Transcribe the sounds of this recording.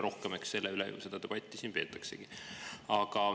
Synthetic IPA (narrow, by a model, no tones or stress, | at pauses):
ɾo̞hkemeksse̞lːeylḛjṵse̞d̪ɑd̪e̞b̥ɑt̪ʲːˑisiːnpe̞ːt̪ːˑɑkseɡ̥iɑɡ̥ɑ